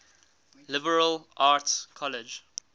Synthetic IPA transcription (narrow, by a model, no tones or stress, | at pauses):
lɪbəɹəlʔatkʰɔlɪd͡ʒ